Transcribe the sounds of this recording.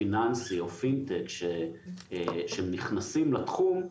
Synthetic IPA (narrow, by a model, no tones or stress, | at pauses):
inansio̞fint̪ekʃe | ʃeemniχnasimlat̪χum